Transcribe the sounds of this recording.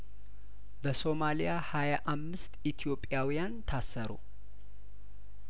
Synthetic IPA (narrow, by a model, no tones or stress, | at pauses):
bəso̞malijahajaʔamːɨst̪it̪ʰijo̞pʼːjawijant̪ʰasːəɾṵ